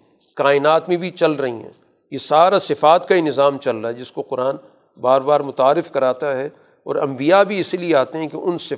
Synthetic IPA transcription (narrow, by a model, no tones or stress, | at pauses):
kaːɪnaːt̪mẽbʱit͡ʃɐlɾɐɦḭ̃ɦɛ̰̃ː | jesaːɾasɪfaːt̪kainɪzaːmt͡ʃɐlɾaɦɛd͡ʒɪskoqʊɾaːn | baːɾbaːɾmʊt̪aːɾːɪfkɐɾaːt̪aɦɛ | ɔ̰ːɾɐ̰̃mbijabʱiɪslieaːt̪eɦɛ̃keʔʊnsɪ